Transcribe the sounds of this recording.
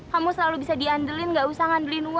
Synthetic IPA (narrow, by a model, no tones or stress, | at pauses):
kamusəlalubisadiandilɪnɡaʔusaŋandlinu